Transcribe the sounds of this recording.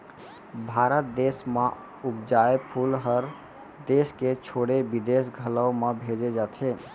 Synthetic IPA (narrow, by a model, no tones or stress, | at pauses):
bʱaːɾət̪̚d̪esme | upd͡ʒaepʰulɦəɾ | d̪esket͡ʃʰoɽebid̪esɡʱələwmebʱed͡ʒed͡ʒat̪ʰe